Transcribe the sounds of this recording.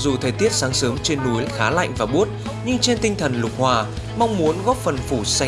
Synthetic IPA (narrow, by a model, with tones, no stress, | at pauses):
zu˨˩t̪ʰəː˨˩jt̪i˦˥ət̚saː˨˦ŋsɨ˨˦əŋt͡ɕe˧nːu˨˦jxaː˨˦la̰˧˨jŋ̟vaː˨˩ɓu˦˥ət̚ | ɲɨ˧ŋt͡ɕe˧nt̪ï˧ŋ̟t̪ʰə˨˩nlʊ˨˩k͡p̚hwaː˨˩ | ma˧wŋ͡mmu˨˦ənɣɔ˦˥p̚fə˨˩nfu˧˩sa˧